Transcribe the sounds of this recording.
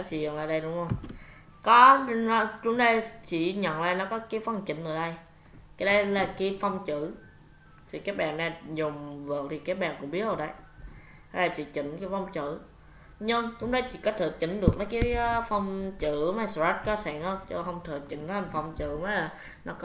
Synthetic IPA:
nɔ˨˦t͡ɕḭ˧˨zə˨˩ŋlaː˧˨ɗə˧jɗʊ˨˦ŋ͡mhə˧wŋ͡m | kɔ˨˦nɔ˨˦t͡ɕʊ˨˧˥ŋ͡mɗə˧jt͡ɕḭ˧˨ɲə˨nla̰ː˧˩nɔ˨˦kɔ˨˦ki˨˦fə˧wŋ͡mt͡ɕi˧˩˦n̟ʔɨ˨˩ɗə˧j | kaː˨˦jɗə˧jlaː˨˩ki˨˦fɔ˧wŋ͡mt͡ɕɨ˧˩˨ | t̪ʰi˨˩kaː˦˥k̚ɓa̰ː˨˩nɗa˧˩zʊ˨˩ŋ͡mvɨ˨˩ək̚t̪ʰi˨˩kaː˦˥k̚ɓa̰ː˨˩nkʊ̰˧˥ŋ͡mɓi˦˥ət̚ho˧˩ɗə̰˧˦j | ha˧˦laː˨˩t͡ɕḭ˧˦t͡ɕḭ˧˨˩nka˨˧˦fɔ˧wŋ͡mt͡ɕɨ̰˧˨ | ɲɨ˧ŋt͡ɕʊ˨˦˥ŋ͡mɗə˧jt͡ɕḭ˧˨˦kɔ˦˥t̚t̪ʰɨ˨˩t͡ɕi˧˩n̟ɗɨ˨˩ək̚nɔ˨˦jkaː˨˦fɔ˧wŋ͡mt͡ɕɨ˧˩˨maː˨˦jsza˦˥t̚kɔ˨˦sɛː˧˩ŋhə˧wt͡ɕɔ˧ɦə˧wŋ͡mt̪ʰɨ˨˩ət͡ɕi˨˩˦n̟t̪ʰːfɔ˧wŋ͡mt͡ɕɨ̰˧˨maː˨˦laː˨˩ | nɔ˨˦˥k

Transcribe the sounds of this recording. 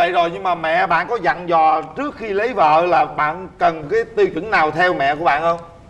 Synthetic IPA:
ə̰˧˨jzo˨˩jɲɨ˧ŋmaː˨˩mɛ̰˧˨ɓa̰ː˧˨nkɔ˨˦za̰˧˨ŋzɔ˨˩t͡ɕɨ˦˥ək̚xi˧lə˨˦jvə̰ː˧˨laː˨˩ɓa̰ː˧˨nkə˨˩nkaː˨˦jt̪i˧wt͡ɕw̰nnaː˨˩wt̪ʰɛ˧wmɛ̰˧˨ku˧˥əɓa̰ː˧˨nhə˧wŋ͡m

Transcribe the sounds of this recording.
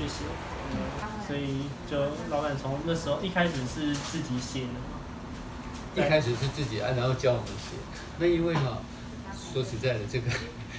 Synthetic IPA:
y˥˩ɕɛ˨˩ | t̪e˥˨˩ɪswɔ˧˥i˨˩t͡ɕjo˥˩ʊlɑ˥ʊka˥˩nt͡sʰʊ˧˥ŋ˨˦nə˥˩ʂɻ̩˧˥xo˥˧ʊi˥˩kʰa˥ɪʂɻ̩˨˩ʂɻ̩˥˧t͡sɹ̩˥˩t͡ɕi˨˩ɕjɛ˧˥d̪ə˩ɐ˨˩ | i˥˧kʰa˥ɪʂɻ̩˨˩ʂɻ̩˥˧t͡sɹ̩˥˩t͡ɕi˨˩a̰˧˥ɪna˧˥no˥˧ʊt͡ɕjɑ˥ʊwɔ˨˩mə˦nɕjɛ̰˧˥˦ | na˥˧i˥nwe˥˩ɪnɐ˥˩ | swɔ˧˥t͡ɕʰi˧˥t͡sa˥˩ɪd̪ə˩ʈ͡ʂɤ˥˩ɡə˩

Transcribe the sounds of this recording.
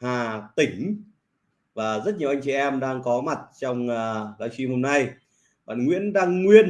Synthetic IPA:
haː˨˩t̪ï˧˩ŋ̟ | vaː˨˩zə˦˥t̚ɲi˨ə˩wʔa˧jŋ̟t͡ɕḭ˧˨ʔɛ˧mɗaː˧ŋkɔ˨˦ma˨˩t̚t͡ɕɔ˧wŋ͡mːla̰ː˧˨˩jsi˨˦mho˧mna˧j | ɓa̰ː˧˨nŋwḭ˧˥ənɗaː˧ŋːwi˧ən

